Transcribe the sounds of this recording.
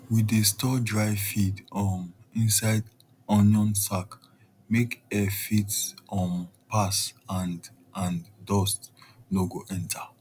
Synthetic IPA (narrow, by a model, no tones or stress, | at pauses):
widestɔdɹaɪfidɔmĩnsaɪd | ɔ̃njɔ̃nsak | mekɛfitsɔ̃mpasãn | ãndɔstloɡoʔɛ̃ntʰa